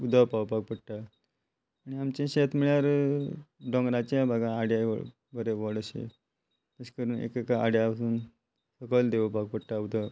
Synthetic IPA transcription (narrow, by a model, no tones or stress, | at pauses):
ud̪ʱəpaʋpak̚pəɽʈa | aɽ̃iamt͡ɕẽɕet̪miɭjaɾ | ɖɔŋɡɾãt͡ɕabʱaɡãːɽjaʋɔ̰ɭ | bʱəɾeʋɔɽəɕḛ | t̪əskəɾuːnḛkekaaɽjaəsuːn | səkəld̪eʋəpak̚pəɽʈaud̪ʱə